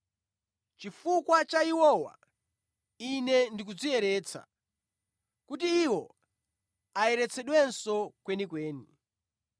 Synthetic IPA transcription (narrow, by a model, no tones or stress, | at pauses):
t͡ʃifukwat͡ʃaiwɔwa̰ | inɛndik̬ud͡ziɛɾɛːt͡sʰa̰ | kut̬iːwɔ | aɛɾɛt͡sʰɛɗwɛnsɔkwɛnikweːni